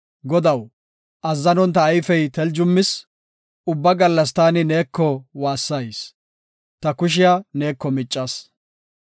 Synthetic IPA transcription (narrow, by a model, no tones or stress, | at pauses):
ɡɔd̪ɐw | ʔɐzːɐnɔnt̪ɐːjfɛjt̪ɛld͡ʒʊmːɪs | ʊbːɐɡɐlːɐs̬t̪aːnɪneːkːɔwaːsːɐjs | t̪ɐkʊʃ̬ɪjane̞ːkːɔmɪt͡ʃʼːɐs